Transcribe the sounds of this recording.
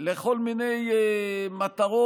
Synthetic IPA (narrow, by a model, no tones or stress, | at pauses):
leχo̞lminej | mat̪aʁo